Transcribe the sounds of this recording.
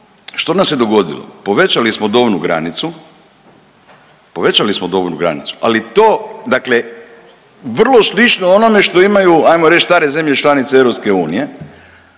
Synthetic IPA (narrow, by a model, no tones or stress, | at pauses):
ʃt̪onasjed̪oɡo̞d̪ḭlo̰po̞ʋe̞t͡ʃalismod̪oːʋnuɡɾa̰nit̪su | po̞ʋet͡ʃalismod̪oːʋnuɡɾa̰nḭt̪su̥ʔalit̪oːd̪akle̞ | ʋr̩lˠo̞slit͡ʃnoono̞me̞ʃt̪o̞imajuajmoɾet͡ʃst̪aːɾe̞ze̞mʎet͡ʃlanit̪seeʋɾo̞pskeuːnije̞